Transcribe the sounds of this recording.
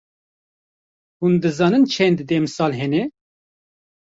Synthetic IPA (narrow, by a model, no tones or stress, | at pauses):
hund̪ɨzɑːnɨnt͡ʃʰɛnd̪d̪emɨsɑːlɦɛnɛ